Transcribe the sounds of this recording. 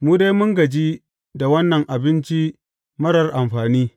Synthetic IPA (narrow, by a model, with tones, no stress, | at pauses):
muː˦da˦jmʊ˦ŋɡɐ˨d͡ʒi˦ | da˨wɐ˦nːɐ˨ŋʔa˨bɪ˦nt͡ʃi˦ | mɐ˦ɾɐ˨rʔa˨mɸaː˨niː˦